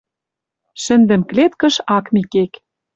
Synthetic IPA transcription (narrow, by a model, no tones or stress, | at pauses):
ʃɘ̆nd̪ɘ̆mklet̪kə̆ʃɑkmikek